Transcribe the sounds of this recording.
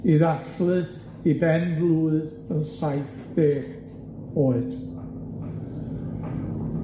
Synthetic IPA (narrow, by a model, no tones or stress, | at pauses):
iðaθlˠɨ | ibɛnblˠuːɨð | ənsajθðeːɡ̥ | oːɨd̥